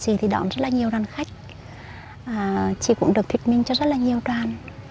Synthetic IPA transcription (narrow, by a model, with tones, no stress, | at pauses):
zi˨˩t̪ʰi˨˩ɗɔ̰˧˩nzə˦˥t̚laː˨˩ɲi˨˩əwɗaː˨nxa˦˥jk̟̚ | ʔaː˨˩t͡ɕḭ˧˩kʊ̰˧˥ŋ͡mɗɨ˨˩ək̚t̪wi˨˩t̚mï˧ŋ̟t͡ɕɔ˧zə˦˥t̚laː˨˩ɲi˨˩əwtwaː˨˧˩n